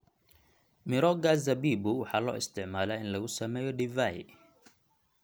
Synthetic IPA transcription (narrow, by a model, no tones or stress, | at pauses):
mɪɾɔɡazɐbiːbʊwɑħɑːlɔ̰ːɪ̰st̪ʰɪʕmaːlaːɪnlɐɣʊsɐmɛːjɔɖɪvaj